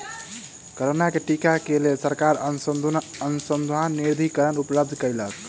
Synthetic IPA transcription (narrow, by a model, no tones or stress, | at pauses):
kəɾonakeʈikakelesəɾkaɾ | ənusənd̪ʱanːiɾd̪ʱikəɾənupləb̚d̪ʱkəɾilək